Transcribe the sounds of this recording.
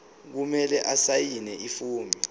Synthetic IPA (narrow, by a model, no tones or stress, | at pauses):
k̬umɛlɛʔasajinɛʔifuːmbʱi